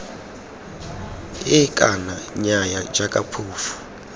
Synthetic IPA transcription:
ɪkʼanaɲajad͡ʒakʼapʰuːfu̥

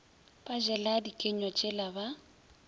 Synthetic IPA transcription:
pʼaʒɛladikʼeɲɔt͡ʃʼɪlaba

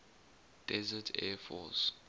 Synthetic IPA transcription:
d̥ɛzətʰɛfɔ̰s

